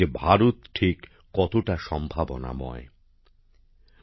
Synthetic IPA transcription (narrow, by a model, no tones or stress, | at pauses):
ebʱaɾut̪ʈʰikː | ɔt̪oʈaʃɔmbʱabona̰mɔ̰e